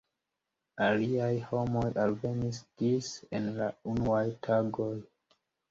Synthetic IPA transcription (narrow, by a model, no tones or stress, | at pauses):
aliajho̞mojʔalve̞nisd̥isenlaunuajtʰaɡoj